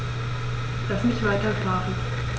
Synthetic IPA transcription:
l̥asmɪçv̥aɪtɐfaːʁən

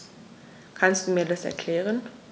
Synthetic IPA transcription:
kʰanst̚d̥uːmiːɐdasɛ̰ɐkʰl̥ɛːʁ̞ən

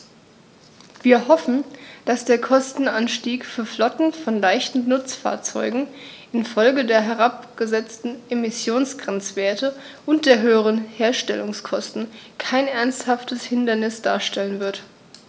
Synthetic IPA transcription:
v̥iːɐhɔfn̩d̥asd̥eːɐkʰɔstn̩anʃtiːkfyːɐflɔtn̩fɔnlaɪçtn̩nʊt͡sfa̰ːɐt͡sɔ̰ʏɡŋ̩ | ʔɪnfɔlɡədeːɐɦɛʁ̞ap̚ɡ̥əzɛt͡stn̩ʔemɪsjoːnsɡ̥ʁɛnt͡sv̥eːɐtə | ʔʊnt̚d̥eːɐɦøːəʁ̞ənheːɐʃtɛ̰lʊŋskʰɔstn̩kʰaɪnʔɛɐnsthaftəshɪndɐnɪsd̥a̰ːɐʃtɛlənvɪɐt

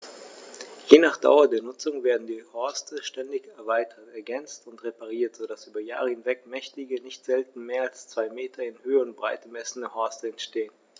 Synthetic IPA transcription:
jeːnaːχd̥a̰ʊɐdeːɐnʊt͡sʊŋveːɐdn̩diːhɔɐstʰəʃtɛndɪçɛɐvaɪtʰɐtɛɐɡɛnt͡stʊntʁepaʁ̞iːɐtz̥odasʔyːbɐja̰ːʁəhɪnvɛkmɛçtɪɡənɪçtz̥ɛltn̩meːɐalst͡sv̥aɪmeːtʰɐɪnhøːəʊnt̚b̥ʁaɪt̚əmɛsn̩əhɔɐstəɛntʃteːən

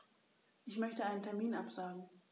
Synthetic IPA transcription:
ʔɪçmœçtəaɪnəntʰɛɐmiːnʔapz̥aːɡŋ̩

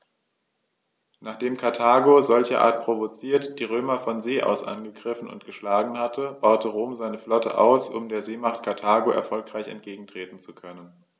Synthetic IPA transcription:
naːχd̥eːmkʰaɐtʰaːɡozɔlçəʔa̰ːɐt̚pʁ̥ovot͡siːɐtd̥iːʁ̞øːmɐfɔnzeːʔa̰ʊsʔa̰nɡəɡʁɪfn̩ʊ̰ntɡ̥əʃlaːɡŋ̩hatʰəb̥aʊtʰəʁoːmzaɪnəflɔtʰə̰ʔa̰ʊsʔʊ̰mdeːɐzeːmaχtkʰaɐtʰaːɡoʔɛ̰ɐfɔlkʁ̥aɪçɛ̰ntɡ̥eːɡŋ̩tʁ̥eːtn̩t͡sukʰœnən

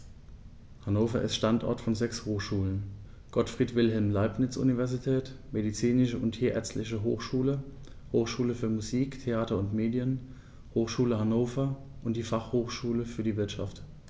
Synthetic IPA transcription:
hanoːfɐ̰ʔɪ̰stʃtantʔɔ̰ɐtfɔnzɛkshoːxʃuːlən | ɡ̥ɔtfʁ̥iːtvɪlɦɛlmlaɪpnɪt͡sʔṵnivɛɐzitʰɛːtmedit͡siːnɪʃəʊntheːɐʔɛ̰ɐt͡stlɪçəɦo̰ːxʃuːlə | hoːxʃuːləfyːɐmuziːktʰeaːtɐʊntmeːdjən | hoːxʃuːləhanoːfɐ | ʔʊntd̥iːfaχhoːxʃuːləfyːɐdiːvɪɐtʃa̰ft

